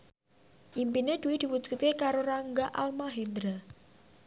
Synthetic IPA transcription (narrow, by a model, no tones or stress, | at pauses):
ʔimpined̪̥uwid̪̥i̤wu̥d͡ʒ̥ut̪̚kekaɾoɾaŋɡaʔa̰lmaɦend̪ɾa